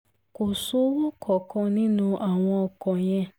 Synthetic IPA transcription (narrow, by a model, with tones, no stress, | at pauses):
ko˨so˦wo˦kʰɔ˨kɔ̃˧nĩ˦nũ˦˧ʔa˨w̃ɔ̃˧ɔ˧kɔ̃˨j̃ɛ̃˧